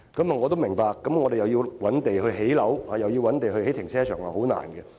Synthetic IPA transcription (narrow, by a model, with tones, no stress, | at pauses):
kɐ˨˥mɐ˨ŋɔː˨˧t̪o˥wmɪ˨˩ŋpaː˧kːɐ˨˥mŋɔː˨˧d̪e˨jɐ˨wji˧wwɐ˨˥nt̪e˨jɦɵ˧ɥɦe˨˥jlɐ˨˥whaː˨˧jɐ˨wjiː˧wɐ˨˥nt̪e˨jɦɵ˧ɥhe˨˥jt̪ʰɪ˨˩ŋsʰɛː˥t͡ʃʰœː˨˩ŋa̰˨˩ho˨˥wna̰ː˨˩nɡɛ˧